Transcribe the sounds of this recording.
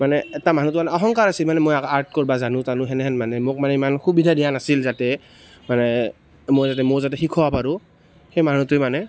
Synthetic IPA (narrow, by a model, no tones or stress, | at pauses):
manɛːtaman̤utʊmanɛɔɦɔŋkaɹasilmanɛmojaaɹt̚kɔɹibazanʊ̃tanʊ̃ɦɛnɛɦɛnmanɛmok̚manɛimanxubidʱadijanasilzatɛ | manɛ | mojzat̬ɛmoɹzatɛxikʰɔwapaɹʊ̃ | xejmanutʊjmanɛ